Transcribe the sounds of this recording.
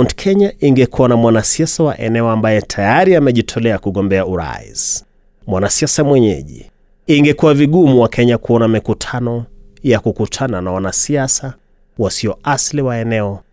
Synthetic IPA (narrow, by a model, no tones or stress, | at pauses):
ntkʰɛɲaʔiŋɡɛkuwanamwanasiasawa̰ʔɛnɛɔambajɛtʰajaɾiamɛʄitʰɔlɛakuɠɔmbɛauɾa̰ḭs | mwanasiasamwɛɲɛ̰ʄḭ | iŋɡɛkuwaviɠumuwakʰɛɲakuɔnamikutʰanɔjakukutʰananawanasiasa | wasiɔasliwaɛnɛɔ